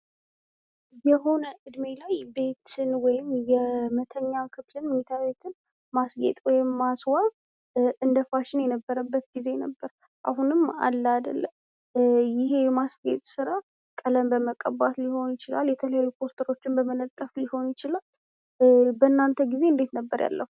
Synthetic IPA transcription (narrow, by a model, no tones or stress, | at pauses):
jɛɦo̞nəʔɨd̪melajbe̞t̪ɨnwɔjɪmjɛmət̪ʰəɲːakʰɨflɨnmet̪ʰaβe̞t̪ʰɨn | masɡḛt̪ʼwɔjɪmːaswaβ | ʔɨnd̪əfaʃɪnjɛnəbːəɾəbːət̪ɡize̞nəbːəɾ | ʔa̰ɦunɨma̰lːəad̪ə̰lːəm | jɪɦe̞jɛmasɡḛt̪ʼsɨɾa | kʼələmbəməkʼːəbat̪liho̞njɪt͡ʃɪla̰ljɛt̪ʰələjajːupʰo̞st̪ʰəɾo̞t͡ʃːɪnbəmənət̪ʼːəflɪho̞njɪt͡ʃɪlal | bənːant̪ʰəɡize̞ɨnd̪e̞t̪nəbːəɾja̰lːʔə̰hu